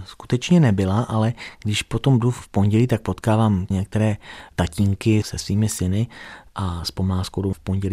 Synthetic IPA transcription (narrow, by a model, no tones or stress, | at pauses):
sku̥t̪ɛt͡ʃɲɛnɛbɪlaʔalɛɡ̥dɪʃpot̪o̞mduffpo̞ɲɟɛliːt̪ak̚pot̪kaːvaːmɲɛk̚t̪ɛɾɛːt̪aciːŋkɪsɛsviːmɪsɪnɪʔaspo̞mlaːskowdofpoɲɟɛliː